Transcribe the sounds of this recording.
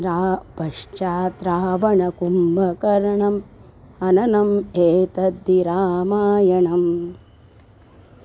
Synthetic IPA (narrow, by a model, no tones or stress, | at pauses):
ɾaːbʱɐʂt͡ʃaːt̪ɾaːʋɐɳɐkumbɐkɐɾɐɳɐm | ɐnɐnɐmeːt̪ɐd̪iɾaːmaːjɐɳɐm